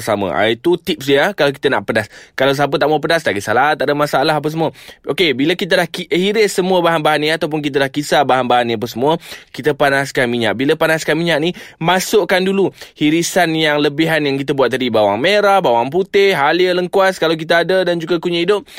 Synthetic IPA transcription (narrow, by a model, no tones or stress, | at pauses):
samə̰̃ʔa̰it̪ut̪ip̚siakalawk̬i̥t̪əna̰ʔpədaskalaws̬ap̬ət̪aʔmuəp̬ədast̪aʔɡisalat̪aʔdəmasaalaɦap̬əs̬əmuəʔokebiləkit̪əlahkihiɾɪsːəmuəbaɦanbaɦaniat̪awp̬ʊnk̬it̪̬əlahkisabaɦanbaɦanĩap̬əsəmũəkit̪əpanaskanmiɲa̰ʔ̚biləpanaskanmiɲaʔ̚nimasʊʔkanduluhiɾisanjaŋləbiɦanjaŋkit̪̬əbuat̪̚ːadibawa̰ŋmeɾahbawaŋp̬ut̪ɪhɦaliələŋkuaskalawk̬it̪̬əadədand͡ʒuɡakuɲəidʊp̚